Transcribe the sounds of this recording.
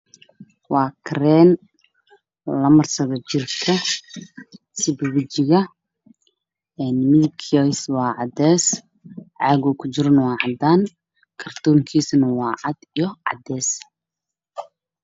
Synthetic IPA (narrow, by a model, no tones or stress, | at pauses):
wɑːkʰrɛːn | lɐmɐrsɐɣɐt͡ʃɪrkʰɐ | sɪbʊwʊt͡ʃɪɣɐ | ɛːnmɪðkʰɔswɑːʕɑd̪ɛːs | ʕɑːɣɔkʰʊt͡ʃɪɾɐnwɑːʕɑd̪aːn | kʰɐrt̪ʰɔːŋkʰiːsnɐwɑːʕɑd̪ijɔʕɑ̰d̪ɛːs